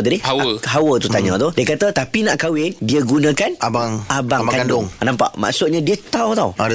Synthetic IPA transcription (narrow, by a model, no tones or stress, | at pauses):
d̪udihawəɦawət̪ut̪aɲãt̪ʊdiəkat̪ət̪apinaʔkawɪndiəɡunãkanʔabaŋabaŋkandʊŋnãmpa̰ʔma̰ʔsʊt̪̚ɲãdiət̪awt̪aw